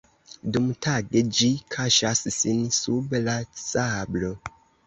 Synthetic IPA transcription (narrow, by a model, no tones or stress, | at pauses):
dumtʰaɡed͡ʒikʰaʃassinsublasablo